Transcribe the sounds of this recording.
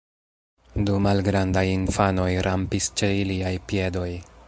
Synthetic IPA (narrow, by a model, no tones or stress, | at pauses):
dumalɡɾandajinfano̞jɾʔampist͡ʃeiliajpie̞do̞j